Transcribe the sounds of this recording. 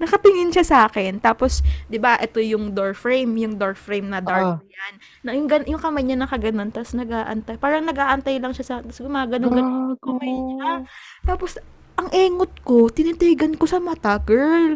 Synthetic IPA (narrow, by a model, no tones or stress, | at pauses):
nɐkɐp̪ɪŋɪnʃasaːkɛnt̪aːpo̞sd̪ɪbaʔɛt̪o̞jʊŋd̪oɹfɹejmjʊŋd̪oɹfɹejmnɐd̪aɹjanːɐjʊŋɡɐnjʊŋkɐmajɲanɐkɐɡɐno̞nt̪ɐsnɐɡaːʔɐ̰nt̪ajpaːɾɐŋnɐɡaːʔɐnt̪ajlɐŋʃɐsaːknt̪ɐsɡʊmaːɡɐnoŋɡɐnokɐmajɲa | t̪aːpo̞s | ʔɐŋʔɛːŋot̪̚ko̞t̪ɪnɪt̪ɛːɡɐnkosɐmɐt̪ɐɡɛɹl